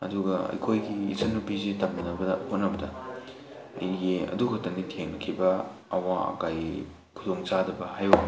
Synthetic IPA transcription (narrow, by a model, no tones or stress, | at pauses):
ɐ̰duɡɐɐ̰jkʰojɡiːsɐnːupizitɐp̚nɐnɐbɐɐhot̚nɐbɐdɐ | ijeɐ̰dukʰɐtɐnditʰeŋnɐkʰibɐ | ɐwaɐ̰kaj | kʰudoŋt͡ʃadɐbɐhajo